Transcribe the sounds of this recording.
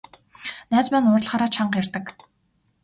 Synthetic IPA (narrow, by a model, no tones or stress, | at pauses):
næːt͡smæːnʊːr̆ɮχaːɾaːt͡ɕʰaɴɢjarʲt̪ə̆k